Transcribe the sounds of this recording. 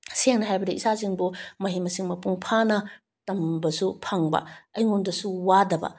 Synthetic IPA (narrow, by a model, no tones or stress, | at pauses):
seŋnɐɦajbɐdiʔisaziŋbumɐɦimɐsiŋmɐpuŋpʰanɐ | tɐmbɐsupʰaŋbɐ̰ɐjŋundɐsuwadɐbɐ̰